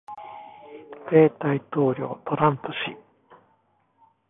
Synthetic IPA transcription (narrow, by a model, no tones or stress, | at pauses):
pe̞ːt̪ait̪o̞ːɾʲjo̞̰ːt̪o̞ɾãnt̪oɕi